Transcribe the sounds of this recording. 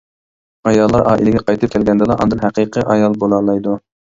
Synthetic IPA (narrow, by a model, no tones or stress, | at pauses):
ɑjɑlˠːɑɾʔɑ̰ːʔḭlɪɡʲɛqɑjt̪ʰɨp̚kʲʰɛlɡʲɛnd̪ɨlˠɑʔɑ̰nd̪ɨnɦæqʰɨqʰɨʔɑjɑlˠbolˠɑlˠɑjd̪u